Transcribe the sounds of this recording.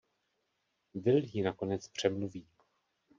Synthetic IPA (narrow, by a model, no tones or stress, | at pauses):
vɪljinako̞nɛt͡spr̝̥ɛmluviː